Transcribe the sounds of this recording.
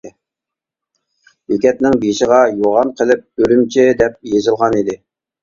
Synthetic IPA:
jykʲɛp̪̚nɪŋbijʃəʁɑjoʁɑnqʰəlˠɪp̚øɾymt͡ʃʰid̪ɛp̚jezɨlˠʁɑnid̪ɪ

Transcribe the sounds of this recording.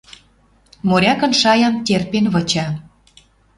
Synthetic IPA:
moɾʲɑkɤ̆nʃɑjɑnt̪ʲerpenβɤ̆t͡ɕɑ

